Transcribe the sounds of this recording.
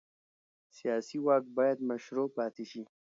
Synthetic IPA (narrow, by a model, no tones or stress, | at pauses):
sijɑːsiwɑːkbɑːjad̪maʃɾopɑt̪eʃi